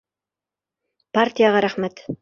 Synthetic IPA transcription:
part̪ʲijaʁɑɾæχmæt̪

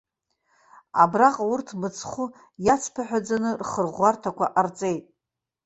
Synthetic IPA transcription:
a̰braqʼaurtʰmɨt͡sʰχʷu | jat͡sʰpʰaħʷᶣad͡zanɨrχərʁʷartʰakʷa̰ʔart͡sʼe̞jtʼ

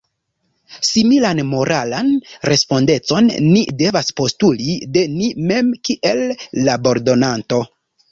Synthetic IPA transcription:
similanmo̞ɾʔalanɾe̞spo̞nde̞t͡so̞nːide̞vaspo̞stulide̞nime̞mkiʔe̞lːabo̞ɾdo̞nanto̞

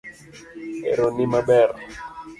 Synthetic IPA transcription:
ɛ̰ɾonimabɛɾ

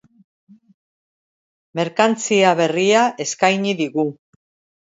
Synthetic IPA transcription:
me̞ɾkant͡siaβe̞riaʔe̞skajɲiðiɣu

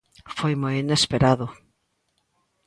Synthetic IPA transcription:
fojmojinespeɾaðʊ

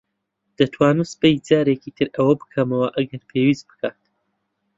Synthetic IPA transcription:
d̪̥ɐt̪ʰwaːnɨsɨ̥pejd͡zaːɾeciːt̪ʰɨɾɐwɐbɨ̥kʰɐmɐwɐʔɐɡɐɾpʰeːwiːs̚bɨ̥kʰaːt̪

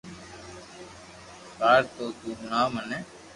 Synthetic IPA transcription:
kaːɾt̪oːt̪uːɦʊɳaːmənɛː

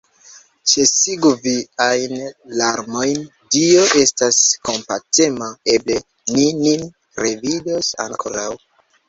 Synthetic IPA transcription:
t͡ʃe̞siɡuviajnlaɾmo̞jn | dio̞ʔe̞stasko̞mpatemae̞ble̞ | ninin | ɾe̞vidosa̰ŋkʰo̞̰ɾaw

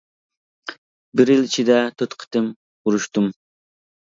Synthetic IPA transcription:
bɪɾjilit͡ʃʰid̪ɛt̪ʰøt̪qʰə̥t̪ɨm | uɾuʃt̪um

